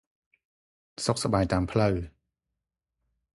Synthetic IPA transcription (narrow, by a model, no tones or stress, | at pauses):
sok̚saɓaːjt̪aːmpʰləw